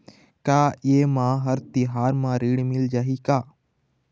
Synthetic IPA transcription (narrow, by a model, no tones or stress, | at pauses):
kaːeːmãːɦəɾt̪ɪɦaːɾmãːɾiːɽmɪld͡ʒaːɦikaː